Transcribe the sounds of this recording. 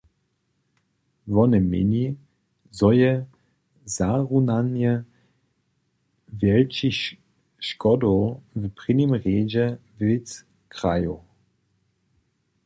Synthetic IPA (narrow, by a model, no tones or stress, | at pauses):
vɔnɛmɪ̰ni | zɔjɛ | zaʁunanjɛ | vjɛlt͡ʃi | ʃkɔdɔvpʁ̥ɪnimʁeːd͡ʒɛvɪt͡s | kʁ̥ajo